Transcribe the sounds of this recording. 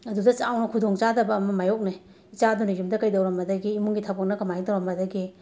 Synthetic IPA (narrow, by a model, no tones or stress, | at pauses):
ɐdudɐt͡ʃawnɐkʰudɔŋt͡ʃadɐbɐːmɐmajɔk̚na | it͡ʃadunijumdɐkajdawɾɐmɐdɐɡiːmuŋɡitʰabak̚nɐkamajŋtawɾɐmbɐdɐɡi